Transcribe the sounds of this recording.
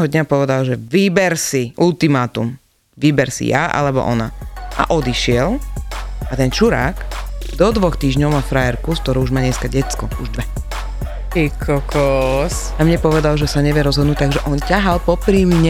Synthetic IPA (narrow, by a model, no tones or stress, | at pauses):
ɦɔd̪ɲapɔʋɛd̪alʒɛʋibɛɾsiult̪imaːt̪ṵm | ʋibɛɾsḭja̰ʔa̰lɛbɔ̰ʔɔ̰na̰ʔa̰ʔɔd̪iʃɪɛl | at̪ɛnt͡ʃuɾa̰ːkd̪ɔd̪ʋɔxt̪iːʒɲɔʊmafɾajɛɾkusk̚t̪ɔɾɔuʒmaːɲɛskaɟɛt͡skɔuʒd̪ʋɛ | ikʰɔkɔs | amɲɛpɔʋɛd̪alʒɛsaɲɛʋɪɛɾɔzɦɔd̪nuc̚t̪̚aɡʒɛʔɔncaɦalpɔpɾiːmiɲɛ